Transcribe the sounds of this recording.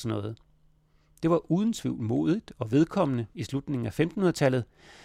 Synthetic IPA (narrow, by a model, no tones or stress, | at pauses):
snːɔ̽ːð̩ˠ | d̥e̝ʋɑ̈ʔuːð̞ˠən̩t͡sʰʋiʊ̰lnmo̝̰ːðˠid̥ɒ̽ʋe̝ð̞ˠkʰɒ̽m̰ənəislud̥ne̝ŋ̩æfemd̥hunɐt͡sʰæl̰ð̞̩ˠ